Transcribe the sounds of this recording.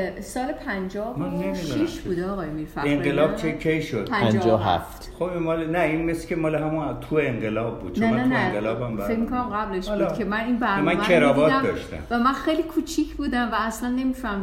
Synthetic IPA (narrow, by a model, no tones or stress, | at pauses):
sɒːlepʰænd͡ʒɒːmænnemiːdʃuiʃbuːd̪eɒːɣɒːjemiːɾfæeŋɡelɒːb̚t͡ʃʰekʲʰejʃod̪pʰænæd͡ʒɒːɦæ̰ft̪xobinmɒːlenæinmeskʰʲemɒːleɦæmunt̪ʰueeŋɢelɒːb̚ːṵːd̪̥̚t͡ʃneæmnæneɡelɒːbæmbæɾfekmikʰonæmɡæbleʃlkʰemæninbæɾmænmeɾɒːbɒːt̪md̪ɒʃt̪æ̰mvæmænxejlikʰuːt͡ʃʰiːcʰbuːd̪æmvæːslænːe̞mifæm